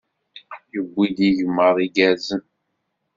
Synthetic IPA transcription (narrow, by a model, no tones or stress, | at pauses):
jəbʷːid̪iʝəmːəɾˤiɡæzən